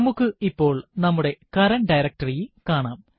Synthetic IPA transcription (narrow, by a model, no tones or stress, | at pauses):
mukːɨipːo̞ːɭnɐmːuɽe̞kɐɾɐnɖɐjɾɐk̚ʈɐrijkaːɳaːm